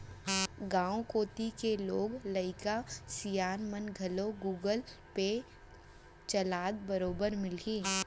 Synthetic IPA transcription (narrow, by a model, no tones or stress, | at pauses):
ɡãːõkoːt̪ikeloːɡləɪkasijaːnmənɡʱɐloɡuːɡəl | pe | t͡ʃɐlaːd̪̚bəɾoːbəɾmɪlkĩː